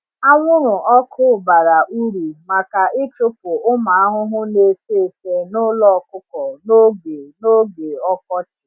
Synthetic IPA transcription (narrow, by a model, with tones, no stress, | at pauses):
a˦ŋʷʊ˦ɾʊ˨ʔɔ˦kʰʊ˦˨ba˨ɾa˨ʔu˦ɾu˨ma˨ka˨ʔɪ˦t͡ʃʊ˦po˨ʊ˦ma˨a˦ɦʊ˦ɦʊ˦ne˨˦se˦e˨te˨nʊ˦lɔ˦˨kʊ˦kɔ˨no˦ɡe˨no˦ɡe˨ɔ˦kɔ˦t͡ʃɪ˨